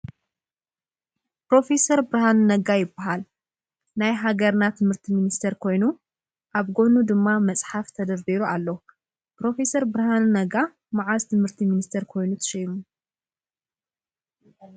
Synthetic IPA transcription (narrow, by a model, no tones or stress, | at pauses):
pɾo̞fe̞sɐɾbɨɾɐhannɐɡajɪbːaɦal | najɦaɡɐɾnat̪ʰɨmhɨɾt̪ʰiminist̪ʰeɾkʰo̞jnu | ʔaβɡo̞nud̪ɨmːamɐt͡sʼħaft̪ʰɐd̪ɐɾbiɾualːo | pɾo̞fe̞sɐɾbɾaɦanːɐɡa | maʕazt̪ʰɨmhɨɾt̪ʰiminist̪ʰeɾkʰo̞jnut̪ʰɐ̥ʃɐjmu